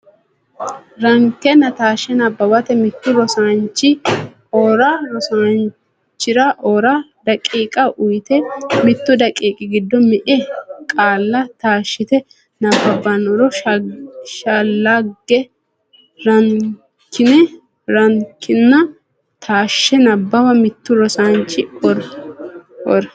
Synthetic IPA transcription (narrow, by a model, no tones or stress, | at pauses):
ɾɐŋkːɛnɐt̪aːʃɛnɐbːɐbɐt̪ɛmɪt̪ːʊɾɔsant͡ʃːɪ | oːɾɐɾɔsan | t͡ʃːɪɾɐʔoːɾɐd̪ɐkʼːiːkʼɐʔʊjt̪ɛmɪt̪ːʊd̪ɐkʼiːkʼɪɡɪd̪ːɔmɛʔɛkʼaːlːɐt̪aːʃːɪt̪ɛ | nɐbːɐbːɐnɔɾɔ | ʃalːaɡːɛ | ɾɐŋ | kʰɪnɛ | ɾɐŋkʰːɪnːɐ | t̪ʰaːʃːɛnɐbːɐbɐmɪt̪ːʊɾɔsant͡ʃːɪɔɾ | ʔɔ̰ɾ